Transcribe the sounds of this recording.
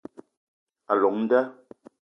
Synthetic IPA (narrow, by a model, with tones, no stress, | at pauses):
a˨lɔ˨ŋn̩˦da˦